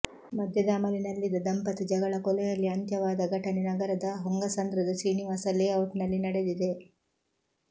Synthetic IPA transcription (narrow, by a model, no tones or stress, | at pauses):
mɐd̪ʱjɐd̪ɐːmɐlinɐlːid̪ɐd̪ɐmpɐt̪ɐd͡ʒɐɡɐɭɐkɔlɛjɐlːiɐnt̪jɐʋaːd̪ɐɡʱɐʈɐnenɐɡɐɾɐd̪ɐɦoŋɡɐsɐnd̪ɾɐd̪ɐsɾiːniʋaːsɐlːiɐwʈnɐlːinɐɽed̪id̪e